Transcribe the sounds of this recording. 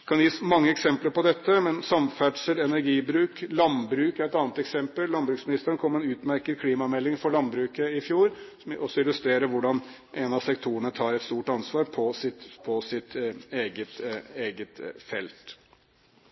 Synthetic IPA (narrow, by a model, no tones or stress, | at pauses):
kʰɑnjiːsmɑŋːəɛksɛmpləɾpɔd̪ɛt̪ːəmɛnsɑmfæɖʂəlɛnæɾɡiːbɾʉːklɑnbɾʉːkæɾɛt̪ɑːnət̪ɛksɛmpəlːɑnbɾʉːksmɪnɪst̪əɾənkʰɔmːɛnʉːt̪mæɾkəd̪kʰliːmɑmɛlːɪŋfɔɾɭɑnbɾʉːkəɪfjuːɾsɔmɔsːɔɪlːʉst̪ɾeːɾəʋʊɖɑn | ʔenɑsɛkt̪ʰuːəɳət̪ʰɑːɾɛt̪st̪uːʈɑnsʋɑːɾpʰɔsɪt̪pʰɔsɪt̪eːɡət̪eːɡət̪fɛlt̪